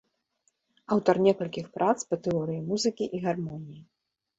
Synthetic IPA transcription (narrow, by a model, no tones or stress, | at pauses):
awt̪ɐrnʲɛkɐlʲkʲixpɾʔat̪spɐt̪ɛɔɾɨjimuzɨkʲiʔiɣarmɔnʲiji